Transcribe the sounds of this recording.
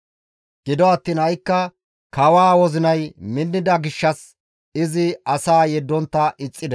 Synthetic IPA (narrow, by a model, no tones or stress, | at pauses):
ɡ̥ɪd̪ɔɐt̪ːiːnhɐjkːɐ | kɐwaːwɔzɪnɐjmɪnːɪd̪ɐɡɪʃːɐs | ɪzɪɐsaːjɛd̪ːɔnt̪ːɐʔɪt͡sʼːɪd̪ɛ